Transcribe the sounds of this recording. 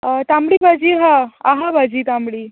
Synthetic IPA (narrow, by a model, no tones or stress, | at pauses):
t̪amɽibʱad͡ʑiːɦaaɦabʱad͡ʑiːt̪amɽiː